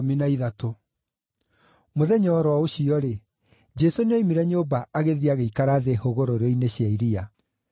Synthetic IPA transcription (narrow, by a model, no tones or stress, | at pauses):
minaiðato | moðɛɲɔːɾwɔoɕiɔɾe | d͡ʒɛsoneimiɾɛɲobaʔaɣeðiaɣeikaɾaːðehoɣoɾoɾoineɕjaiɾia